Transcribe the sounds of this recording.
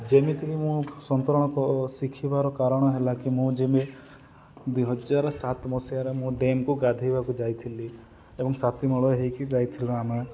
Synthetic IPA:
d͡ʒemit̪ʰiɦimũsɔnt̪ɔɾɔɽ̃ɔkɔsikʰibaɾɔkaɾɔɽ̃ɔɦelakimũd͡ʒemi | d̪wiɦɔd͡ʒaɾɔsat̪mɔsijaɾemũɖemkuɡad̪ʱejbakud͡ʒajt̪ʰili | ebɔŋsat̪imɔɭɔeɦejkid͡ʒajt̪ʰiluame

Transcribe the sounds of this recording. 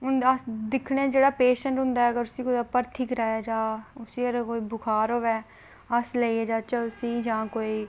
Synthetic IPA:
ʊnəsd̪ɪkʰɽẽːd͡ʒeːɽaːpeːʃəɳʈɦʊ̃nd̪aːɛəɡəɾʊsiːkoəpəɾt̪ʰikɾɛːɛːd͡ʒãːʊsiːəɾkoːiːbʊkʰaːɾoːʋɛː | əsləiːɛd͡ʒaːt͡ʃəʊsiːd͡ʒãːkoːiː

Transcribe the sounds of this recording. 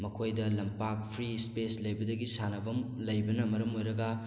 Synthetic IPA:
mɐkʰojdɐlɐmpak̚pʰɾispeslɐjbɐdɐɡisanɐbɐmlɐjbɐnɐmɐɾɐmojɾɐɡɐ

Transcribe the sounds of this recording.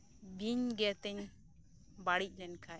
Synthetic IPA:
biɲɡɛt̪ɛɲ | baɽic̚ˀlɛnkʰa

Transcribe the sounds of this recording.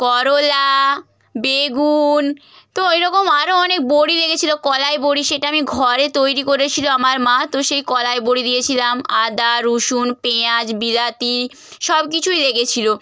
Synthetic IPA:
kɔɾola | beɡun | t̪oeɾɔkomaɾoɔnek̚boɽileɡet͡ɕʰilokɔlaeboɽiʃeʈaamiɡʱɔɾet̪ojɾikoɾet͡ɕʰiloamaɾmãt̪oʃejkɔlaeboɽid̪ijet͡ɕʰilamad̪aɾuʃunpead͡ʑbiɾat̪i | ʃɔbkit͡ɕʰujleɡet͡ɕʰilo

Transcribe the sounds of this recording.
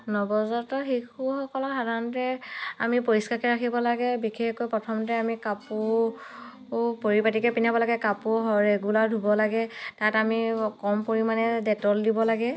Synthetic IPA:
nɔbɔzɔtɔxexuxɔkɔlɔxadʱaɹnɔtɛa̰mipoɹiskakɛɹakʰibɔlaɡɛbikʰekojpɹɔtʰɔmɔtɛamikapu | poɹipatikɛpinabɔlaɡɛkapuɦɔɹeɡuladʱubɔlaɡɛtatamikɔmpoɹimanɛdɛtɔldibɔlaɡɛ

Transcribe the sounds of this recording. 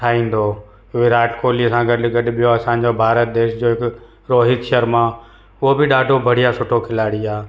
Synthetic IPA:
ʈʰaːĩːn̆d̪o | ʋɪɾaːʈkoːliɐsãɡɐɗɡɐɗʊ̆ɓijoɐsãːɲ̆d͡ʑobʱaːɾət̪̚d̪eːʃd͡ʑoːɦɪk | ɾoːɦɪt̪ʃəɾmã | ʊɦobɪɗaːɖʱobʱɐɽ̤ijasʊʈʰokʰɪlaːɽiaː

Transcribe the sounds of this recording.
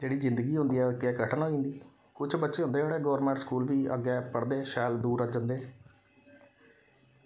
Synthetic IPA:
d͡ʒeːɽiːzɪ̃nd̪əɡiːɦʊ̃nd̪iːɛːkɛkəʈʰənɦoːĩːnd̪iː | kʊt͡ʃʰbətːʃeːɦʊ̃nd̪eːʋaːleːɡɔːɾmɛ̃ːɳʈskuːlʋiːə̰ɡɛːpəɽd̪eːʃɛːld̪uːɾəd͡ʒənd̪eː

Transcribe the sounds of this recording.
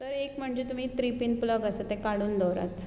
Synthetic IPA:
t̪əɾekm̤əɳd͡ʑet̪um̤iːt̪ɾipinpləɡəsət̪ekaɽuːnd̪ɔɾa̰t̪

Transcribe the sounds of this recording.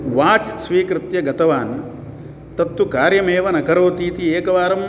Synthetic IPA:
ʋaːt͡ʃsʋiːkɾɪt̪jɐɡɐt̪ɐʋaːn | t̪ɐt̪wukaːɾjɐmeːʋɐnɐkɐɾoːt̪iːt̪ieːkɐʋaːɾɐm

